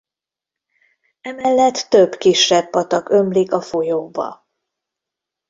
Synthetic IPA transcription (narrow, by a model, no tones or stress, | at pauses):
ɛmɛlːɛt̪ːø̞bkiʃɛbpɒt̪ɒkø̞mlikɒfo̞joːbɒ̰